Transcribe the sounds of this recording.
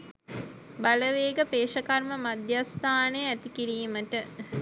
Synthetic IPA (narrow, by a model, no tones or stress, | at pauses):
baləʋeːɡəpeːʃəkarməmad̪jast̪ʰaːnejæt̪ikiɾiːməʈə